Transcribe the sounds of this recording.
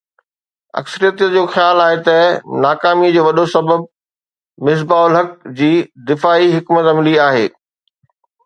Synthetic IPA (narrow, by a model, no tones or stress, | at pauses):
ɐ̰ksəɾijət̪əd͡ʑoːxjaːlaːɦet̪ɐnaːkaːmid͡ʑoːʋɐɗosɐbəb̚ | mɪs̬baːʊlɦɐk̚d͡ʑiːd̪ɪfaːiɦɪkmət̪ɐmɪliaːɦḛː